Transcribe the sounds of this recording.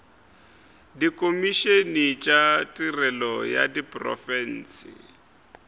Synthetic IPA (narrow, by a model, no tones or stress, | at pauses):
dikʼomiʃenit͡ʃʼatʼirɛlɔja̰dipʼrɔ̰fɛn̩ːsḭ